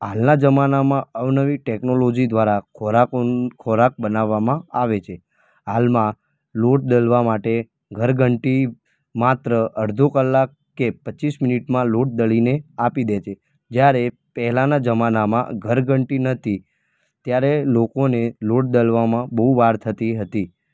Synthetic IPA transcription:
ɦalnad͡ʒəmanamãəʋnəʋiʈeknolod͡ʒid̪ʋaɾakʰoɾakokʰoɾak̚bənaʋːamãaʋet͡ʃʰe | ɦalmã | loʈ̚d̪əlʋamaʈe | ɡʱəɾɡʱəɳʈi | mat̪ɾəʔəɾd̪ʱokəlːak̚ːepətːt͡ʃismɪniʈmãloʈ̚d̪əɭineapid̪et͡ʃʰe | d͡ʒjaɾe | pəɦɛlanad͡ʒəmanamã̰ɡʱəɾɡʱəɳʈinət̪ʰi | t̪jaɾelokoneloʈ̚d̪əlʋamãbəɦuʋaɾt̪ʰət̪iɦət̪i

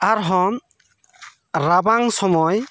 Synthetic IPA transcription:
aɾɦɔm | ɾabaŋsɔmɔj

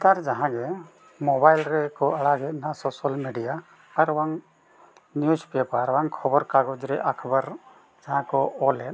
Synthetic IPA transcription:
t̪aɾd͡ʒaɦãɡɛ | mɔbajlɾɛkɔaɽaɡɛt̪̚nasɔsalmiɖija | aɾwaŋ | njuspɛpaɾwaŋkʰɔbɔɾkaɡɔd͡ʒɾɛʔakʰbaɾ | d͡ʒaɦãkɔɔlɛt

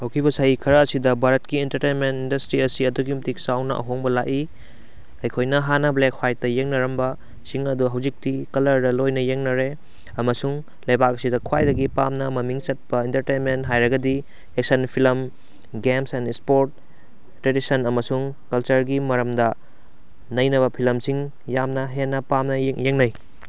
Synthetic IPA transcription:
hɐwkʰibɐsajikʰɐɾɐːsidɐbʱaɾɐtkientɐɾtejnmentindɐstɾiɐsiɐduɡiumtik̚sawnɐ̰ʔɐ̰ɦoŋbɐlaʔi | ɐjkʰojnɐɦanɐblekʰwaj̚tɐjeŋnɐɾɐmbɐ | siŋɐduɦɐwzik̚tikɐlɐɾdɐlojnɐjeŋnɐɾe | ɐmɐsuŋ | lɐjbak̚ɐsidɐkʰwajdɐɡipamnɐmɐmiŋt͡ʃɐt̚pɐintɐɾtenmentɦajɾɐɡɐdi | ek̚sɐnpʰilɐm | ɡemsenispoɾt̚ː | ɾedisɐnɐmɐsuŋkɐlt͡ʃɐɾɡimɐɾɐmdɐ | nɐjnɐβɐpʰilɐmsiŋ | jamnɐɦenːɐpamnɐŋjeŋnɐj

